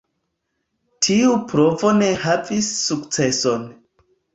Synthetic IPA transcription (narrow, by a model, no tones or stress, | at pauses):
tʰiupɾo̞vo̞ne̞havisːukt͡se̞so̞n